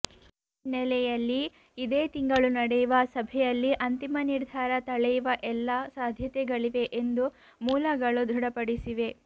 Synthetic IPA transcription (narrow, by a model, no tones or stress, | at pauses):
nɛlɛjɐlːiː | d̪eːt̪iŋɡɐɭunɐɽɛjuʋɐsɐbʱɛjɐlːiʔɐnt̪imɐniɾd̪ʱaːɾɐt̪ɐɭɛjuʋɐʔɛlːasaːd̪ʱjɐt̪ɛɡɐɭiʋe̞ʔend̪u | muːlɐɡɐɭud̪ʱɾuɽɐpɐɽisiʋe̞